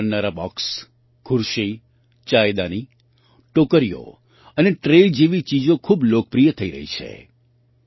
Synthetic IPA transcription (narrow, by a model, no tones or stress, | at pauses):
əɾnaɾabɔ̰ks | kʰʊɾʃi | t͡ʃaed̪ani | ʈokəɾijo̰ | əneʈɾeld͡ʒiʋit͡ʃid͡ʒokʰublok̚pɾijət̪ʰəiɾə̰ɦḭt͡ʃʰḛ